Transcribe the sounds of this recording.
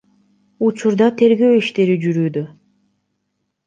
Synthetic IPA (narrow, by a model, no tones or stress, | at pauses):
ut͡ʃuɾd̪ɑt̪ʰe̞ɾɡøwiʃt̪e̞ɾid͡ʒyɾyːd̪ø